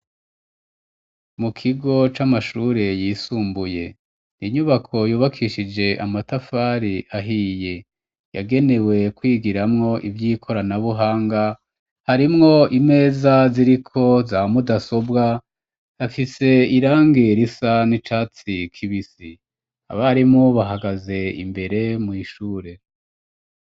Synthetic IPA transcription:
mukʰiɡo̞t͡ʃamaʃuːɾe̞jiːsuːmbuje̞ | niɲuβakʰo̞juːβakʰiʃid͡ʒe̞ʔamatafaːɾiʔaɦiːje | jaɡe̞ne̞we̞kwiːɡiɾamŋo̞ʔivjiːkʰo̞ɾanaβuɦaːŋɡa | haɾimŋo̞ime̞ːzaziɾikʰo̞zamudaso̞bɡa | jafise̞iɾaːŋɡeɾisanit͡ʃaːt͡sikʰiβisi | a̰βaɾimŋoβaɦaɡaze̞ḭmbe̞ɾe̞mŋiʃuːɾe̞

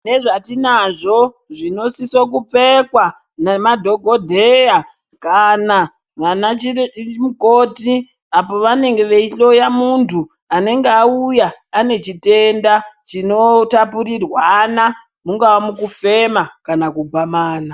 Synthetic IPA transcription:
ne̞ʐatinaʐo̞ | ʐino̞sisok̬up͡fe̞kwa | nemadʱo̞ɡʱo̞dʱeja | kana | ʋanat͡ʃimukoːti | apo̞ʋane̞ŋɡe̞ʋeiɬo̞jamuntʰu | ane̞ŋɡeaujaːne̞t͡ʃite̞ndat͡ʃino̞tapuɾirwana | muŋɡawamukufe̞makanakubʱamaːna

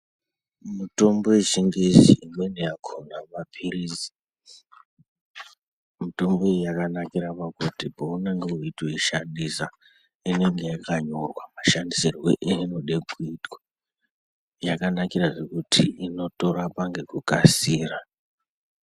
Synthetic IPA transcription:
muto̞mbo̞wet͡ʃiŋɡeʒḭimenejakʰonamapʰirizi̥ | mito̞mboejakanakiɾapakutipouneŋɡe̞uitwoiʃandisa | ine̞ŋɡe̞jakaɲo̞rwamaʃandisirwḛʔiino̞ɗekuitwḁ | jakanakiraʐe̞kutʰiino̞to̞ɾapaŋɡe̞kukasiːra

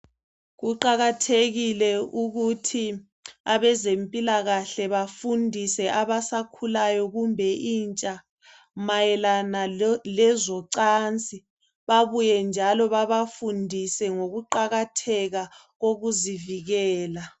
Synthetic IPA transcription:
ɣuǃaɣatʰeɣilɛuɣutʰi | aβɛzempʼilaɣaɬɛβafundʱisɛʔaβasakʰulajɔɣumbʱɛʔiːnt͡ʃʼa | majɛlanalɛzɔǀant͡sʼi | βaβujɛnd͡ʒʱalɔβaβafundʱisɛŋoɣuǃaɣatʰɛɣa | ɣoɣuziviɣɛːla

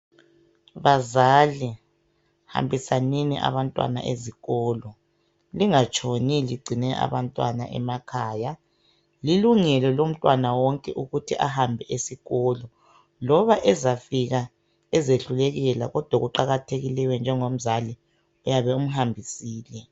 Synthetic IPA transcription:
βazali | ha̰mbʱisaninḭʔa̰βantʼwa̰na̰ʔeziɣɔːlɔ | liŋat͡ʃʰʼoniliɡ͡ǀʱinɛʔa̰βantʼwana̰ʔɛ̰makʰaːja | liluŋɛlɔlom̩tʼwanawɔŋkʼɛʔuɣutʰiʔa̰hambʱɛʔesiɣɔlɔ | lɔβaʔɛzafiɣa | ɛzeɬuleɣɛla̰ɣɔd̥ʱwaɣuǃaɣatʰeɣilɛwɛnd͡ʒʱɛŋom̩zali | ujaβɛum̩ɦambʱisiːlɛ

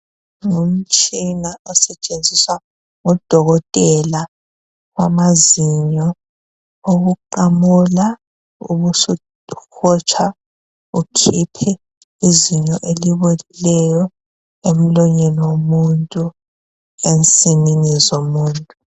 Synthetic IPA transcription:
ŋum̩t͡ʃʼinaʔɔsɛt͡ʃʼend͡zʱiswa | ŋɔd̥ʱɔɣɔtʼɛla | ɣwa̰maziɲɔ | oɣuǃamula | ṵβusu | xʰɔt͡ʃʰa | ukʰipʰɛ | iziɲɔʔeliβolilɛjɔ | em̩lɔɲɛlɔwomuntʼu | ensʼininizomuːntʼu

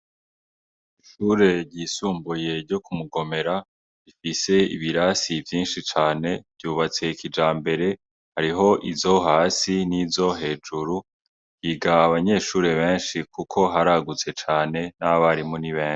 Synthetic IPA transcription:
iʃuːɾe̞ɟiːsuːmbuje̞ɾɟo̞kumuɡo̞me̞ɾa | βifise̞ḭβiɾasivjiːnʃit͡ʃaːne̞bɟuːβat͡se̞ikʰid͡ʒaːmbe̞ɾe̞ | haɾiɦo̞ʔizo̞ɦaːsinizo̞ɦe̞ːd͡ʒuɾu | hiɡaːβaɲe̞ːʃuːɾe̞βe̞ːnʃikukʰo̞ɦaɾaɡut͡se̞t͡ʃaːne̞naβaɾimuniβẽːnʃi̥

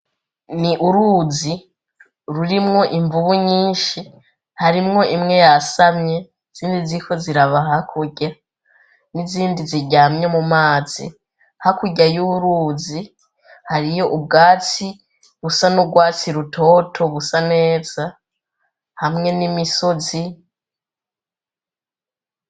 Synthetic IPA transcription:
niʔuɾuːzi | ɾuɾimŋo̞ʔiɱvuβuɲiːnʃi | haɾimŋo̞ʔimŋe̞jasamɲe̞ | z̥iːndizikʰo̞ziɾaβaɦaahkʰuɟa | niziːndiziɟaːmɲemumaːz̥ḭ | hakuɟajuβuɾuːzi | haɾijo̞ʔub̚ɡaːt͡si | βusanuɡwaːt͡siɾutʰo̞ːtʰo̞βusane̞ːz̥a | hamŋe̞nimiso̞zi

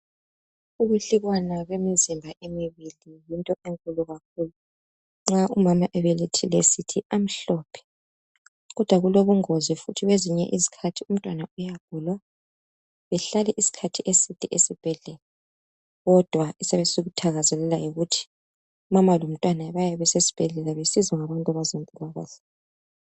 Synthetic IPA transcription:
uβuɬiɣwanaɣwemizimbʱaʔemiβilijintʼɔʔeŋkʼuluɣak̚ʰuːlu | ŋ͡ǁaʔumamaʔɛβelitʰilesitʰiʔam̩ɬɔpʰɛ̥ | ɣɔd̥ʱwaɣuloβuŋozifutʰiɣweziɲɛ̰ʔizi̥kʰatʰium̩tʼwanaujaɡ̥̚ʱulwa | βɛɬalɛʔisi̥kʰatʰiʔesitʼiʔesib̥ʱɛɮɛlɛ | ɣɔd̥ʱwaisɛβɛsiɣutʰaɣazɛlɛlajiɣutʰi̥ | umamalum̩tʼwanaβajɛβɛsesi̥b̥ʱɛɮɛlɛβesizɔŋaβantʼaβazamʼuβaɣa̰ːɮa

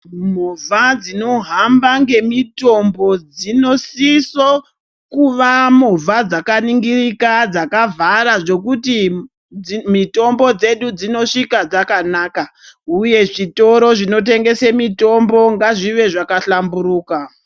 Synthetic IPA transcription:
muvad͡zino̞ɦambaŋɡe̞mito̞mbo̞d͡zino̞siso | kuʋamuvʱad͡zakaniŋɡirikad͡zakavaɾaʐo̞kuti | mito̞mbo̞d͡ze̞ɗud͡zino̞ʂikad͡zakanaːka | uje̞ʐito̞ɾo̞ʐino̞t̬e̞ŋɡe̞semito̞mbo̞ŋɡaʐiʋe̞ʐakaɬambuɾuːka

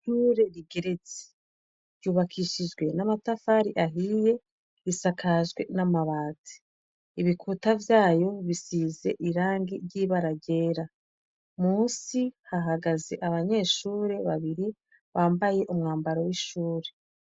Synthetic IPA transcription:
ʃuːɾe̞ɾiɡe̞ɾe̞t͡si̥ | ɾjuːβakʰiʃid͡ʒɡwe̞namatafaːɾiʔaɦiːje̞ | ɾisakʰaʒɡwe̞namaβaːti̥ | iβikʰutavjaːjo̞βisiːze̞ʔiɾaːŋɡiɾɟiːβaɾaɟe̞ːɾa | muːsihaɦaɡaze̞̰ʔaβaɲe̞ːʃuːɾe̞βaβiɾi | βaːmbaje̞ʔumŋaːmbaɾowiʃuːɾe̞

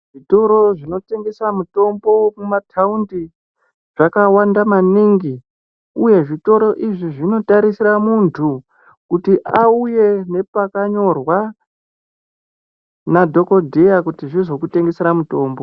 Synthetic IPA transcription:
ʐ̥ito̞ɾo̞ʐino̞te̞ŋɡe̞samuto̞mbo̞mumatʰaundi | ʐakawandamaniŋɡi | uje̞ʐito̞ɾo̞ʔiʐiʐino̞taɾisiɾamuntʰu | kutiʔauje̞ne̞pakaɲo̞rwa | nadʱo̞ko̞dʱe̞jakutiʐizo̞kute̞ŋɡe̞seɾamuto̞ːmbo̞

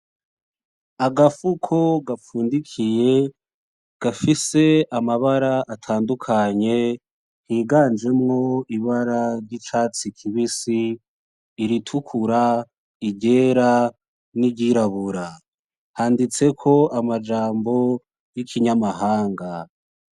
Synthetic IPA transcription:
aɡafukʰoɡafuːndikʰije̞ | ɡ̥afise̞amaβaɾaatʰaːndukʰaɲe̞ | hiːɡaːnd͡ʒe̞mŋo̞iβaɾaɾɟit͡ʃaːt͡sikʰiβisiː | ɾitʰukʰuɾa | iɟe̞ːɾa | niɟiɾaβuɾa | handit͡se̞kʰo̞amad͡ʒaːmbo̞ | jikʰiɲamaɦaːŋɡa

